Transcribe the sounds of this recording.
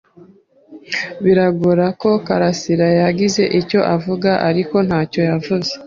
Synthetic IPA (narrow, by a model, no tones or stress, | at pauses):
βiɾaɡuɾako̞kaɾasiɾajaɡize̞ʔico̞ʔavuɡaʔaɾiko̞n̥haːco̞javuze